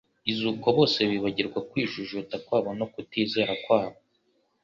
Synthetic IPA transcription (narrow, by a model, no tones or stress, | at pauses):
izuːkoβo̞ːse̞βiβaɟiɾɡwakwiːʒuʒotakwaːβo̞no̞kutiːze̞ɾakwaːβo